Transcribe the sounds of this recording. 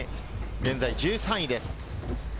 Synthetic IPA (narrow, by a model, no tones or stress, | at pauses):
ɡẽnzajd͡ʑɨːsãĩd̪es